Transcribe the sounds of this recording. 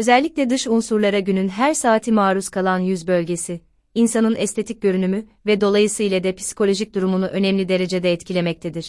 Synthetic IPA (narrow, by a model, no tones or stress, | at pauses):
øzɛlʲːiclʲɛd̪ɯʃunsuɾlˠaɾaɟynynɦæɾsaːt̪ʰimaːɾuskʰalˠanjyzbø̞lʲɟe̞si | insanɯnɛst̪ʰe̞t̪ʰic̚ɟø̞ɾynymyvɛd̪o̞lˠajɯsɯilʲad̪ɛpʰi̥si̥kʰo̞lʲo̞ʒic̚d̪uɾumunuʔø̞nɛmlʲid̪e̞ɾe̞d͡ʒed̪ɛːt̪cʰilʲe̞mɛc̚t̪ʰed̪iɾ̝̥